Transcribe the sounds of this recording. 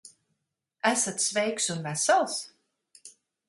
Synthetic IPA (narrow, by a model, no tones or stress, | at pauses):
æsat̪svɛjksunvæsalˠs